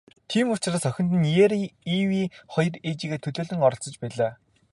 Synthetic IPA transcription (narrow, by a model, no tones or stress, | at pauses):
t̪ʰiːmʊt͡ɕraːsœxʲɪ̆n̥t̪̬ɘ̆njeːɾiwiːχɔjɞ̆ret͡ɕiːɣeːt̪ʰɵɮoːɮɵ̆ŋɔɾɞ̆ɬt͡sɞ̆t͡ɕpæːɮaː